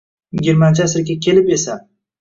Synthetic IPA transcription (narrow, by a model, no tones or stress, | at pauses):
jɪɡʲɪɾmant͡ʃʰɪasɪɾkʲakʲʰe̞lɪpe̞sa